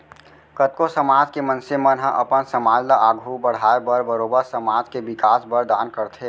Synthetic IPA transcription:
kət̪̚kosəmaːd͡ʒkemə̃nsemənɦə̃ʔɐpənsəmaːd͡ʒləʔaːɡʱubəɽ̤aːebəɾbəɾoːbəɾsəmaːd͡ʒkebɪkaːsbəɾd̪aːnkəɾt̪ʰeː

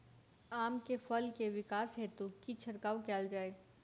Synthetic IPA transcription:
aːmkefɐlkeʋɪkaːsɦeːt̪ukit͡ʃʰɐɾkaːwkɛːld͡ʒaːeː

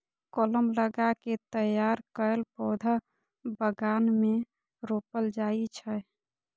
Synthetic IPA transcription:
koləmləɡaket̪əjaɾkəelpɔd̪ʱə | bəɡanme | ɾopəld͡ʒait͡ʃʰə

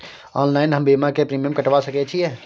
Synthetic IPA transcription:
ɔːnlaːɪnɦəmbiːmakepɾiːmijəmkəʈʋasəket͡ʃʰiɛː

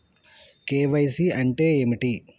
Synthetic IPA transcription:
keːʋɐjsiʔɐɳʈeːemiʈi

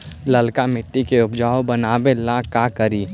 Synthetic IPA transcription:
ləlkamɪʈːikeʊpd͡ʒaːobənaːbelãkakəɾiː

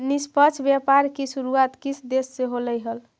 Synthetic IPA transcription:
nispət͡ʃʰbjapaɾkisuɾuat̪kisʰd̪esːeɦoləjɦəl

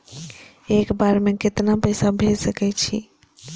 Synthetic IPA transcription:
ekbaɾmẽket̪napɛjsabʱelsəkɛt͡ʃʰḭ

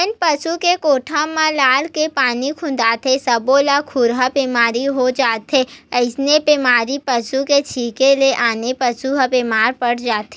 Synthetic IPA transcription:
npɐsukekoːʈʰãmãlaːlkepaːnikʰʊ̃n̆d̪aːt̪ʰesɐbolakʰʊɾɦabeːmaːɾiɦod͡ʒaːt̪eəɪsnepeːmaːɾipɐsuket͡ʃʰiːkeleʔaːnepɐsuɦabemaːɾpəɽ̤d͡ʒaːt̪e

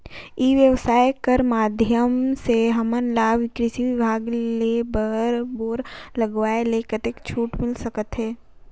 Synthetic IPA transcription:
iːʋjəʋsaːjkəɾmaːd̪ʱjəmseɦɐmənlaːʋɪkɾɪsiʋɪbʱaːɡlebəɾboːɾləɡʋaːeleːkət̪ekt͡ʃʰuːʈmɪlsəkət̪ɦɛː

